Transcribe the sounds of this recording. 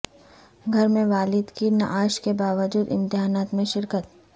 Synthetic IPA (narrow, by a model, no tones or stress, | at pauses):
ɡʱɐɾmẽʋaːlɪd̪kina̰ʔaːʃkebaːʋəd͡ʒuːd̪ɪ̰̃nt̪ɪɦaːnaːt̪mẽʃɪɾkət̪